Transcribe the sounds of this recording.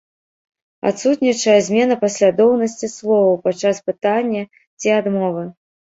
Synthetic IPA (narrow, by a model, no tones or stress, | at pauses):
a̰t̪sut̪nʲit͡ʂɐjɐzʲmʲɛnɐpɐsʲlʲad̪ɔwnɐsʲt͡sʲislˠɔvɐwpat͡ʂaspɨt̪anʲːɐ | t͡sʲiad̪mɔvɨ